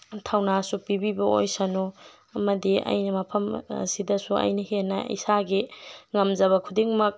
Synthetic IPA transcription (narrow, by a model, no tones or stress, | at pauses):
tʰawnasupibibɐo̰jsɐno | ɐmɐdiɐ̰jnɐmɐpʰɐmɐ̰sidɐsuɐ̰jnɐhenɐ̰ḭsaɡiŋɐmd͡ʒɐβɐkʰudiŋmɐk̚